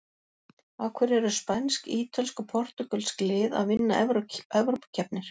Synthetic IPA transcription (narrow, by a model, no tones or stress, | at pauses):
awkʰvɛɾɛɾʏspanskiːt̪ʰalskɔpʰɔr̥t̪ʏkœlsklɪːða̰ðvɪnːaɛvɛvɾowpḁcʰɛpnɪɾ̥